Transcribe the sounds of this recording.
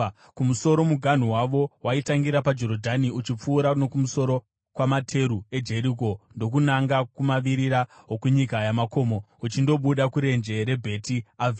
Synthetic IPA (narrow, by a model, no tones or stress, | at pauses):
kumuso̞ɾo̞muɡʱan̤uwaʋo̞waitaŋɡiɾapad͡ʒo̞ɾodʱaniut͡ʃip͡fuːɾano̞kumuso̞ɾo̞ | kwamatʰe̞ɾue̞d͡ʒe̞ɾik̬o̞ndo̞k̬unaŋɡakumaʋiɾiɾaɦokuɲikajamako̞mo̞ut͡ʃindo̞ɓuɗakuɾe̞nd͡ʒe̞ɾe̞bʱe̞tiav